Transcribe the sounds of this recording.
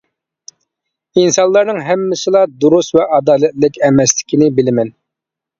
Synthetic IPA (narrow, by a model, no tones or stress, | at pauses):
insɑnlˠɑɾnɨŋɦɛmːɪsɪlˠɑd̪uɾusvɛʔɑd̪ɑːlɛt̪lɪkʲɛmɛslɪ̥kʲinɪbɪlɪmɛn